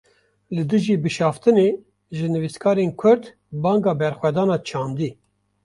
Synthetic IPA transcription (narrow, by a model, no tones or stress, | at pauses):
lɨd̪ɨʒiːbɨʃɑːft̪ɨne | ʒɨnɨviskʰɑːɾenkʷʰʊɾd̪ | bɑːŋɡɑːbɛɾxwɛd̪ɑːnɑːt͡ʃʰɑːnd̪iː